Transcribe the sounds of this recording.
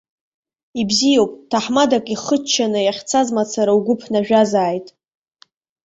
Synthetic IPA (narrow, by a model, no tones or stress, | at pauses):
ibzijowpʼtʰaħmadakʼiχət͡ʃʰːanɨjaχʲt͡sʰazmat͡sʰaɾauɡʷʊpʰnaʒᶣazaːjtʼ